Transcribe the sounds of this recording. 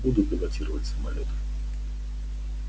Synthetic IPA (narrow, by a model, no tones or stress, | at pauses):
bud̪ʊt̪̚bʲɪlˠɐtʲiɾəvətʲsəmɐlʲot̪ə̥f